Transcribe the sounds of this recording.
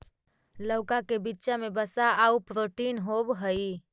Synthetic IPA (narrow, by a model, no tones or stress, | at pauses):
ləʊkakebitːʃamebəsaaupɾoʈinɦobɦəi